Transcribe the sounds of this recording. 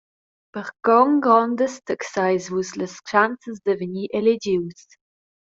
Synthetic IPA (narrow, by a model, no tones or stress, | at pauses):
pəʁkɔŋɡɾɔndəstəksajzvuːsləst͡ʃant͡səzd̪əvəniːʔeled͡ʒiws